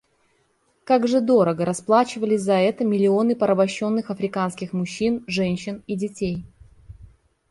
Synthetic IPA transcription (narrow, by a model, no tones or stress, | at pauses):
kaɡʐɨd̪o̞ɾəɡəɾɐsplˠat͡ɕɪvəlʲɪsʲzɐɛt̪əmʲɪlʲɪo̞nɨpəɾʔəbɐɕːo̞nːɨxɐfɾʲɪkanskʲɪxmʊɕːinʐɛnʲɕːɪnidʲɪtʲej